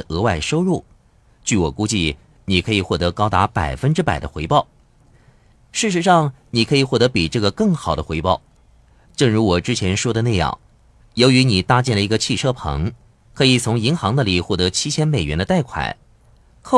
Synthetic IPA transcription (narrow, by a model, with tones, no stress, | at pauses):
ɤ˧˥wa˥˩ɪʂo˥ʊɻu˥˩ | t͡ɕy˥˩wɔ̰˨˩ku˥t͡ɕi˥˩ | ni˨˩kʰɤ˧˥i˨˩xwɔ˥˩t̪ɤ˧˥kɑ˥ʊt̪a˧˥pa˨˩ɪfə˥nʈ͡ʂɻ̩˥pa˨˩ɪd̪ə̰˦xwe˧˥ɪpɑ˥˩ʊ | ʂɻ̩˥˩ʂɻ̩˧˥ʂɑ˥˩ŋ | ni˨˩kʰɤ˧˥i˨˩xwɔ˥˩t̪ɤ˧˥pi˨˩ʈ͡ʂɤ˥˩ɡə˩kɤ˥˩ŋxɑ˨˩ʊd̪ə˦xwe˧˥ɪpɑ˥˩ʊ | ʈ͡ʂɤ˥˩ŋɻu˧˥wɔ˨˩ʈ͡ʂɻ̩˥t͡ɕʰjɛ˧˥nʂwɔ˥d̪ə˨na˥˧ɪjɑ̰˥˩ŋ | jo˧˥ʊy˧˥ni˨˩t̪a˥˧t͡ɕjɛ˥˩nlə˩i˧˥ɡə˧t͡ɕʰi˥˩ʈ͡ʂʰɤ˥pʰɤ̰˧˥ŋ | kʰɤ˧˥i˨˩t͡sʰʊ˧˥ŋi˧˥ŋxɑ˧˥ŋd̪ə˧li˨˩xwɔ˥˩t̪ɤ˧˥t͡ɕʰi˥t͡ɕʰjɛ˥nme˨˩ɪɥɛ˧˥nd̪ə˧t̪a˥˩ɪkʰwa̰˨˩˦ɪ | kʰ